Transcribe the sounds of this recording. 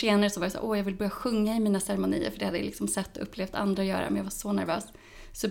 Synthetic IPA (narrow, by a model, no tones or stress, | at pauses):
eːnaɾəsɔvaɾjasa̰ːʔɔjɑːɡvɪlbɑːɾjaɧɵŋːaɪmiːnasɛɾɛmʊnḭːə̰ɾfœɖɛhad̪ːə̰j̰lɪ̰ksɔmsɛt̪ːɔɵpːleːft̪ʰa̰nd̪ɾajœ̰ːɾa̰mɛnjɑːɡvaʂɔnæɾvø̰ːs | sɔ